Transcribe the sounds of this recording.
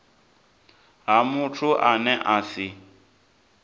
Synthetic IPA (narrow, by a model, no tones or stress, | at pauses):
ɦamʊtʰʊʔanɛʔasɪ